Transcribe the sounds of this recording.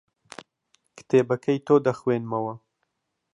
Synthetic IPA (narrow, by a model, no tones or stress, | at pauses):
kʰɨ̥t̪ʰeːbɐkʰɐjt̪oːd̪ɐxweːnmɐwɐ